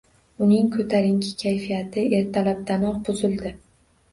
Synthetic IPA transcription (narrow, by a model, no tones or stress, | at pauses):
ʊnɪŋkʰɵt̪ʰaɾɪŋkʲʰɪ̥kʲʰajfijat̪ʰɪe̞ɾt̪ʰalap̚d̪ʰanɒqbʊzɪld̪ɪ